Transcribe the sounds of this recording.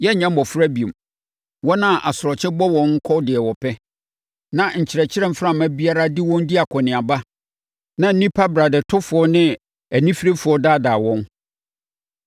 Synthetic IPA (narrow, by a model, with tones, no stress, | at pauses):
jɛ˦˨ɲã˦m̩˦ɔ˨fʊ˦ɾa˦bi˨o˨m | wɔ˦nã˦˨ʔa˨sʊ˨ɾɔ˨t͡ɕʰɪ̃˦bɔ˦wɔ̃˨ŋ̩˦kʰɔ˦dɪ˨ɛ˨wɔ˨pʰɛ˦ | nã˨ɲ̩˨t͡ɕʰɪ˨ɾɛ˨t͡ɕʰɪ˦ɾɛ̃˦˨m̩˦fɾã˦˨mæ˦bi˦a˦ɾa˦dɪ˦wɔ̃˦ndi˦a˨kʰɔ˨nɪ̃˨a˨ba˦ | nã˦n̩˦nĩ˦pʰa˦bɾa˨dɛ˨tʰʊ˦fʊ˨ɔ˦nɪ̃˦ | æ˨nĩ˦fi˦ɾe˦fʊ˨˦ɔ˦daː˦daː˨wɔ̃˦n